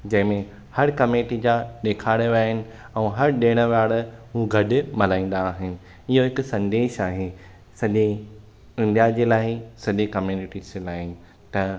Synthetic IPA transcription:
d͡ʑɐ̃ɦɪ̃mẽ | hɐɾkɐmeːʈid͡ʑãɗeːkʰaːɽeʋaːɦɪnɪ̆ | ɛ̃ːɦɐɾɗeːɽ̃əʋaːɽɦũɡʱɐɗɪmɐlaːĩːn̆d̪aːɦɪnɪ̆ | ɪɦoɦɪkʊsɐ̃nd̪eːʃaːɦe | sɐʄe | ɪ̃nd̪ijad͡ʑeːlaːɪsɐʄekɐmjuːnɪʈizd͡ʑelaːɦɪnɪ̆ | t̪ɐ

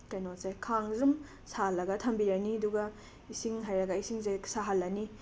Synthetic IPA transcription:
kajnosajkʰaŋzum | salːɐɡɐtʰɐmbiɾaniɐduɡa | isiŋɦajɾɐɡaisiŋzesaɦalːɐni

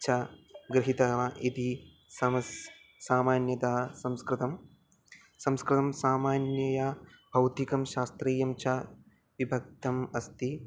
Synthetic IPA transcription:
t͡ʃʰɐɡɾiɦit̪ɐʋɐʔit̪i | sɐmɐs | saːmaːnjɐt̪ɐɦɐsɐmskɾɨt̪ɐm | sɐmskɾɨt̪ɐmsaːmaːnjɐjɐ | bʱɐwt̪ikɐmʃaːst̪ɾeːjɐmt͡ʃʰɐ | ʋibʱɐk̚t̪ɐmɐst̪i

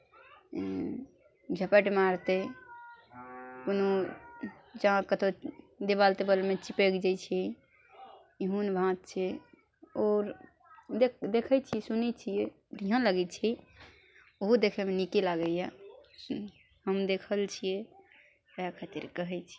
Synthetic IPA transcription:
d͡ʒʱəpəʈmaɾt̪e | kono | d͡ʒaãkət̪ʰo | d̪eβalt̪ebəlmet͡ʃipekd͡ʒat͡ʃʰi | iɦunbʱãt̪̚t͡ʃʰɛ | ɔːɾ | ed̪ekʰəjt͡ʃʰisunɛt͡ʃʰijɛ | ɾiɦə̃ləɡɛt͡ʃʰi | oɦod̪ekʰɛmenikelaɡəja | həmd̪ekʰəlt͡ʃʰije | əjakʰət̪iɾkəɦɛjt͡ʃʰi̥

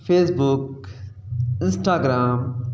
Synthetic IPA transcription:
feːsbuk | ɪ̃nsʈaːɡɾaːm

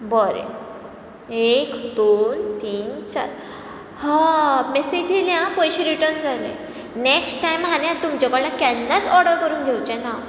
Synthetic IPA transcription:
bɔɾḛ | ekd̪ont̪iːnt͡ɕa̰ɾ | hamesed͡ʑʱiljãpɔjɕiɾiʈəɾnd͡zalḛ̃ | neksʈʈajmɦanjãt̪umt͡ɕakəɭlakanːat͡sɔɾɽəɾkəɾuːnɡʱewt͡ɕɛ̃na

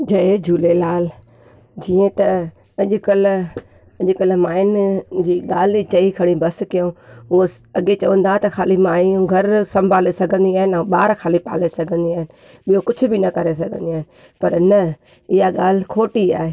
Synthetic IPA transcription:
d͡ʑɐed͡ʑʱuːlelaːl | d͡ʑiːẽt̪ɐ | ɐʄʊkəl | ɐʄʊkəlmaːɪnd͡ʑiːɠaːl̤t͡ɕɐikʰɐɽ̃ĩbɐskɪjõɦʊo | ɐɠet͡ɕɐʋə̃nd̪aːt̪ɐxʰaːlimaːiũɡʱɐɾsɐ̃mbʱaːlesɐɡʱə̃nd̪iaːɦɪnɛ̃ːɓaːɾkʰaːlipa̰ːlesɐɡʱə̃nd̪iaːɦɪnɪ̆ | ɓijokʊd͡ʑʱʰʊ̆bɪnɐkɐɾes̬ɐɡʱə̃nd̪iaːɦɪn | pɐɾnɐ | ɪɦaɠaːl̤kʰoːʈiaːɦeː

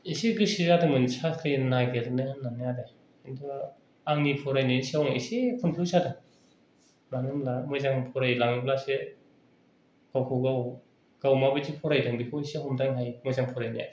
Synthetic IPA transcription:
esiɡɯsizadɯmɯnsakʰɯjnaɡelnɯhɯnːanajada | indɯa | aŋnipʰɔɾajnisiawnaesepʰɯnpʰuwsadɯ | laŋɯmlamɯjzaŋpʰɔɾajlaŋɯmlase | ɡ̥awkʰɔɡaw | ɡ̥awmabɯtipʰɔɾajdɯŋdipʰɔisehɔmdaŋɦajmɔzaŋpʰɔɾajnja̰

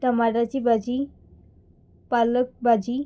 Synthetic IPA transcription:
t̪əmaɽat͡ɕibad͡ʑi | palək̚bad͡ʑi

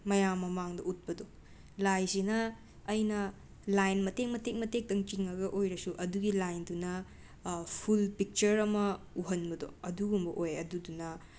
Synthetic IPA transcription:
mɐjamːɐmaŋdɐut̚pɐdo | lajsinɐː | jnɐ | lajnmɐteŋmɐtek̚mɐtek̚tɐŋt͡ʃiŋɐɡɐʔojɾɐsuʔɐduɡilajndunɐ | pʰulpik̚t͡ʃɐɾɐmɐ | uɦɐnbɐdo̰ɐduɡumbɐʔojɐdudunɐ

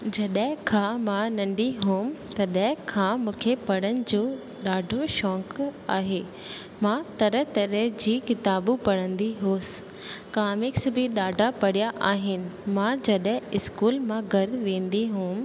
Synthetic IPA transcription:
d͡ʑɐɗɦɪ̃kʰãmãnɐ̃ɳɖiɦũːmt̪ɐɗɦɪ̃kʰãːmũːkʰepɐɽənɪ̆d͡ʑoː | ɗaːɖʱoʃɔ̃ːkaːɦeː | mãt̪ɐɾət̪ɐɾəd͡ʑiːkɪt̪aːbupɐɽə̃nd̪iɦoːsɪ̥ | kaːmɪksbɪɗaːɖʱapɐɽ̤ijaʔaːɦɪnɪ̆mãd͡ʑɐɗɦɪ̃ɪskuːlmãɡʱɐɾʋẽːnd̪iɦũːm

